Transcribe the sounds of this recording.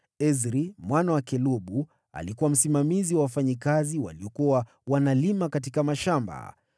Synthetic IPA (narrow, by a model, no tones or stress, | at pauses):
ɛzɾimwanawakɛluɓu | a̰likuwam̩simamiziwawafaɲikaziwa̰liɔkua | wanalimakat̬ikamaʃamba̰